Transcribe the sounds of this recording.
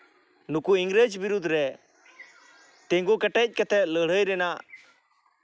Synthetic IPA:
nʊkuɪŋɡɾed͡ʒbɪɾʊd̪ʱːɾɛ | t̪ẽŋɡokɐʈɛc̚ʲˀkɐt̪ʰɛləːɽ̤əjɾeːnaː

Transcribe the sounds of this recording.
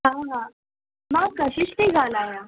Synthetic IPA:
ɦãːɦãː | mãkəɕɪʃt̪iɡaːlaːjaː

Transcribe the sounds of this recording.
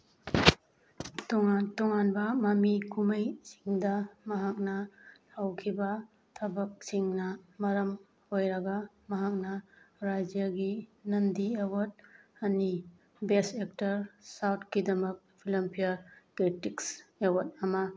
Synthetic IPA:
toŋantɔŋanbɐmɐmikʰumɐjsi̥ŋdɐmɐɦak̚nɐhawkʰibɐ | tʰɐbɐk̚siŋnɐmɐɾɐm | hojɾɐɡɐ | mɐɦak̚nɐɾad͡ʒijaɡinɐndiewɐt̚ɐni | besek̚tɐɾsawt̚ʰkidɐmɐk̚pʰilɐmpʰijaɾkɾitiksewɐt̚ɐmɐ

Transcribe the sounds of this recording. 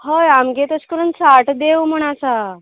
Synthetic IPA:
ɦəjamɡet̪əskəɾənsaʈd̪ewm̤əɽ̃at͡sa

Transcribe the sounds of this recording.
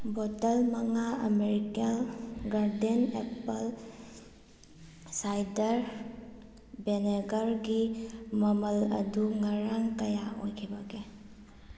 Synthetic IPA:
bɔtɐlmɐŋaɐ̰meɾikalɡaɾdenepɐl | sajdɐɾ | beneɡɐɾɡimɐmɐlɐ̰duŋaɾaŋkɐjaʔojkʰibɐɡe

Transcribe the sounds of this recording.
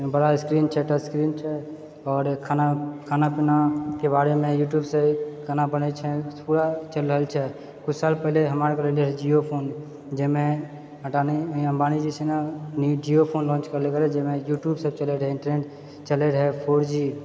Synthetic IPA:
bəɽaskɾiːnt͡ʃʰɛʈəskɾiːnt͡ʃʰɛ | ɔːɾkʰanakʰaːnapɪnakebaːɾemẽjuːʈ̬juːbsekʰanabənət͡ʃʰɛpuɽat͡ʃəlɾəɦəlt͡ʃʰɛ | kʊt͡ʃʰsaːlpəɦleɦəmaːɾkəɾəleɾɛd͡ʒiopʰoːn | d͡ʒemẽ | əʈaniəmbaːnid͡ʒisʰenad͡ʒiopʰoːnlɔ̃ːnt͡ʃkəɾlekəɾɛd͡ʒemẽjuːʈjuːbsəbt͡ʃəleɾɦɛɪ̃ɳʈəɾneːʈ | t͡ʃəleɾɦɛpʰoːɾd͡ʒi

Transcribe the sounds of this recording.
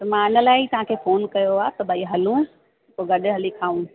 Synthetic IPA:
t̪ɐmãɪnəlaːɪit̪ɐʋ̤ãkʰeːfoːnkɐjoaːt̪ɐbʱaːiɦɐlũ | koɡɐɗɪ̆ɦɐlikʰaːũ

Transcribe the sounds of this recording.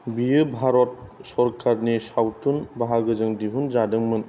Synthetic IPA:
bijɯbʱaɾɔt̚sɔɾkʰaɾnisawtunbaɦaɡɯzɯŋdiɦunzadɯŋmɯn

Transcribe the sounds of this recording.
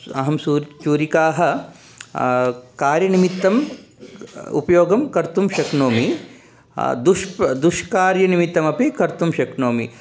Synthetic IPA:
ɐ̰ɦɐmsuːɾt͡ʃuːɾikaːɦɐ̆ | kaːɾjɐnimit̪ːɐm | ṵpɐjoːɡɐmkɐɾt̪umʃɐknoːmi | d̪uʃd̪uʃkaːɾjɐnimit̪ːɐmɐpikɐɾt̪umʃɐknoːmi

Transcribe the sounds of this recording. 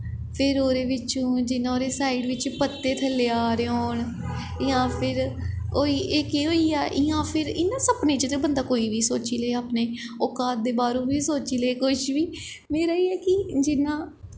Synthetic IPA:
pʰɪɾoːɾeːʋɪt͡ʃõːd͡ʒɪnãːoːɾeːsaːiɖʋɪt͡ʃpət̪ːeːt̪ʰəleːaːɾeːoːɳ | ɪjãːpʰɪɾoːiːʔeːkiːɦoːiːaːʔɪːãːpʰɪɾɪnːãːsəpnẽːt͡ʃət̪ebənd̪aːkoːiːʋiːsoːt͡ʃiːleːaːpneːokaːt̪̚d̪eːbaːɾũːbiːsoːt͡ʃiːleːkʊʃʋiː | meːɾaːiːɛːkɪd͡ʒɪnãː

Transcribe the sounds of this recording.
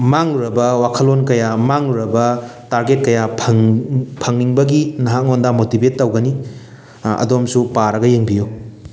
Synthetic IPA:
maŋuɾɐbɐwakʰɐlːonkɐjamaŋuɾɐbɐtaɾɡet̚kɐja | pʰɐŋniŋbɐɡinɐɦak̚ŋondamotibetːɐwɡɐni | ɐ̰domsupaɾɐɡɐjeŋbijo

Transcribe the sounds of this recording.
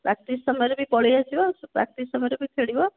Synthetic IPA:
pɾakt̪isɔmɔjɔɾebipɔɭijasibɔspɾa̰kt̪isɔmɔjɔɾebipʰeɽibɔ

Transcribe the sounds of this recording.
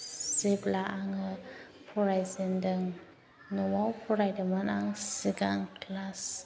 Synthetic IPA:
siblaʔaŋ | pʰuɾajzindəŋ | nəwawpʰuɾajdəmənaŋsiɡaŋklas

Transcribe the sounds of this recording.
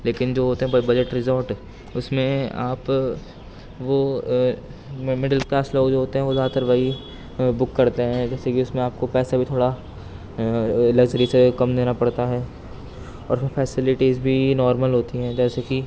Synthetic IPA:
leːkɪnd͡ʒoːɦoːt̪eɦɛ̃bɐd͡ʒəʈɾɪzoːɾʈ | ʊsmẽaːp | ʋo | mɪɖəlkaːsloːɡd͡ʒoːɦoːt̪eɦɛ̃ʋod̪aːt̪əɾʋaːi | bʊkːɐɾt̪eɦɛ̃d͡ʒɛːsekiʊsmẽaːp̚kopɛːsabʱit̪ʰoːɽa | ɪləɡd͡ʒɐɾisekɐmd̪eːnapɐɽt̪aɦɛː | ɔ̰ːɾpʰɪɾfʰɛːsɪlɪʈiːzbʱinɔːɾməlɦoːt̪iɦɛ̃d͡ʒɛːseki

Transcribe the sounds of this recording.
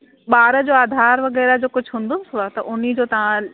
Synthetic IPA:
ɓaːɾə̆d͡ʑoːaːd̪ʱaːɾʋɐɣɛːɾad͡ʑoːkʊd͡ʑʱɦũːnd̪oɪsʊat̪ɐʔʊnid͡ʑoːt̪ɐʋ̤ã

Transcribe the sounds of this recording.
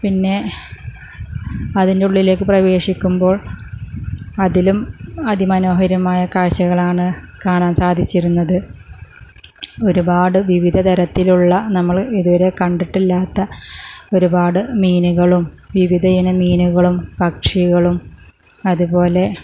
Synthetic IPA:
pinːe̞ | ɐðinde̞uɭːile̞ːk̬ːɨprɐʋe̞ːʂikʲːumbo̞ːɭ | ɐðilumɐðimɐno̞ːɦɐɾɐmaːjɐkaːɕɐɣɐɭaːɳɨkaːɳaːmsaːd̪ʱit͡ɕːiɾunːɐðɨ | o̞ɾubaːɽɨʋiʋid̪ʱɐt̪ɐɾɐt̪ːiluɭːɐnɐmːɐɭiðuʋɐɾe̞kɐɳɖiʈːilːaːt̪ːɐo̞ɾubaːɽɨmiːnuɣɐɭum | ʋiʋid̪ʱɐjɐnɐmiːnuɣɐɭumpɐkʂiɣɐɭum | ɐðubo̞ːle̞

